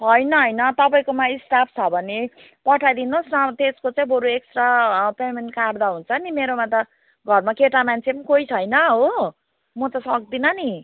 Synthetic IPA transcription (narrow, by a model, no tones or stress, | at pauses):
ɦʌjnʌɦʌjnʌt̪ʌpaĩkomaisʈapʰt͡sʰʌbʱʌne | pʌʈʰajd̪inosnʌt̪eskot͡sãĩboɾueksʈrapemenkard̪aɦunt͡sʰʌnimeɾomat̪ʌ | ɡʱʌrmakeʈamant͡sʰepʌnikoit͡sʰʌjnʌɦo | mʌt̪ʌsʌk̚d̪inʌni